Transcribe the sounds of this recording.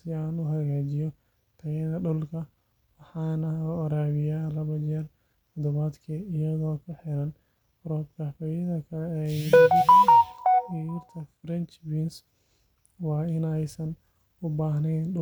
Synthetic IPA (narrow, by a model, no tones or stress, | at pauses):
ɪaːnʊɦɐɣaːt͡ʃɪjɔ | t̪ʰɐɣɛðɐɖʊlkʰɐ | wɑħɑːnɐɔɾaːβɪjaːlɐβɐt͡ʃɛːr | t̪ʰɔd̪ɔβaːd̪kʰɐɪjɐðɔːkʰɐħɪɾɐn | ɾɔːd̪kʰɐfɐjɐðɐkʰɐlɛːjdɐɐdɐnɪjʊrt̪ʰɐfɾɛnt͡ʃbins | wɑːɪnɛjsɐn | ʊbaːɦnɛjnɗʊ